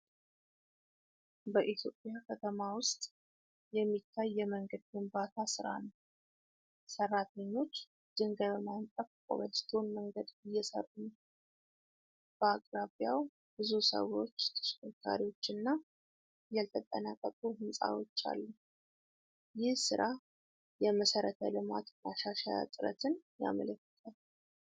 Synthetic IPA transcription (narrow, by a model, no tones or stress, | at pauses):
bəʔit̪ʰjo̞̰pʼjakʰət̪ʰəmawʊst̪ʼ | jɛmːit̪ʰːajːɛməŋɡəd̪̚ɡɨmbat̪ʰasɨɾa̰nəw | sərːat̪ʰəɲːo̞t͡ʃː | d̪̥ɨŋɡəβmant̪ʼəfkʼo̰βəlt̪ʰo̞nməŋɡəd̪ɪjːɛsə̰rʼːunəw | b̥əakʼɾaβjaw | b̥ɨzusə̰wo̞t͡ʃːt̪ʰə̥ʃkʰəkʰːa̰ɾiwo̞t͡ʃːɨnːa | jalt̪ʰət̪ʼːənakʼːəkʼuhɨnsʼa̰wo̞t͡ʃːa̰lːə | jɪhsɨɾʔa | jɛməsəɾət̪ʰə̰lɨma̰t̪maʃaʃaja̰t̪ʼɨɾə̰t̪ʰɨnja̰mə̰ləkːə̥t̪ʰʼal